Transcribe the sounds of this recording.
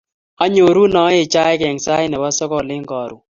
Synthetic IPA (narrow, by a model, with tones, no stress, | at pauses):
a˦ɲo˨ɾu˦nɔ˨˦e˨t͡ʃa˦ɪ˦kɛ˨ŋsa˦jnɛ˨ba˦sɔ˦kɔ˦˨lɪ˦ŋɡɔ˨ɾu˨